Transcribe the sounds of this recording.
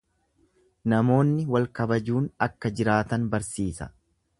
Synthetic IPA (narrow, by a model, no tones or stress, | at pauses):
nɐmo̞ːnːɪwɐlkɐbɐd͡ʒuːnɐkːɐd͡ʒɪɾaːt̪ɐnbɐɾsiːsɐ